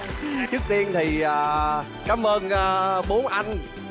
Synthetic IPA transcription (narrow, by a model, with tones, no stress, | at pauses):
t͡ɕɨ˦˥ək̚t̪i˧ənt̪ʰi˨˩ʔaː˨˩ | kaː˨˦mʔəː˧nʔəː˧˩ɓo˨˦ənʔa˧jŋ